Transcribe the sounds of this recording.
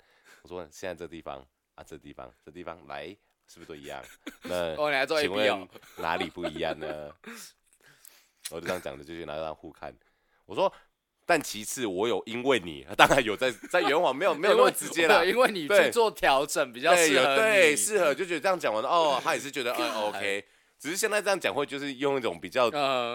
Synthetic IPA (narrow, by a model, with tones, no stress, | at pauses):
wɔ˨˩swɔ˦ɕjɛ˥˧na˥˧ə˥˩t̪i˥˩fɑ̰˦ŋ | a˨˩ʈ͡ʂə˥˧˩t̪ḭ˥˩fɑ̰˦ŋʈ͡ʂə˥˧t̪i˥˩fɑ̰˦˩ŋla̰˧˦ɪ | ʂɻ̩˥˩bu˩u˥˧˩ḭ˨˧˦jɑ̰˥˨˩ŋna˥˩ɔ˧˨ni˨la˧˦t͡swɔ˥˧˥i˧ŋwe˥˨˦na̰˧˦li˨˩pu˥˩i˧˦jɑ̰˥˨˩ŋnə˧˦ | wjo˥˧˥ŋ˨t͡ɕjɑ̰˨˩ŋd̪ə˦t͡ɕjo˥˧t͡ɕʰy˥˧na̰˧˥˧xu˥˧kʰa̰˥˩n | wɔ˨˩ʂwɔ˦ | t̪a˥˩nt͡ɕʰi˧˥t͡s̩ʰ˥˩wɔ˧˦˥jo˨˩ʊʔi˦˥nwe˥˨˩ɪnḭ˨˩ə˧˦t̪ɑ˥ŋɻa˧˦njo˨˩ʊt͡sa˥˩ɪt͡sa˥˩ɪɥɛ˧˥nxwɑ˨˦ŋme˧˥jo˨˩me˧˥jjʈ͡ʂɻ̩˧˥˧t͡ɕjɛ˦˥lə˧i˥nwe˥˨ɪni˩˨˩t̪we˥y˩˥t͡swɔ˥˨˩t̪ʰjɑ˨˦˥ʊʈ͡ʂə˨˩˦npi˨˩t͡ɕjɑ˥e˨˩˨t̪we˥˨˩ɪʂɻ̩˥˨xə˩˦t͡ɕjo˥˩ʊt͡ɕɥd̪ə˧ʈ͡ʂjɑ˥˩ŋt͡ɕɑ˨ŋwa˦n˧ɔ˥˩˨t̪ʰa˦˥jɛ˨˩ʂ̬̩˥˩t͡ɕɥɛ˧˥d̪ə˧kə˧˩o˧˦ʊkʰe˦ɪ | ʈ͡ʂɻ̩˨˩ʂ̩˥ɕ̬jɛ˥˧nt͡sa˥˧ɪʈ͡ʂɤ˥jɑ˥˩ŋt͡ɕjɑ˨ŋxwe˥˧ɪt͡ɕjo˥˧ʊʂ̬ɻ̩˥˧jo˥˧ŋi˥˩o˨˩ŋpi˨˩t͡ɕjɑ˥˩ʊ˧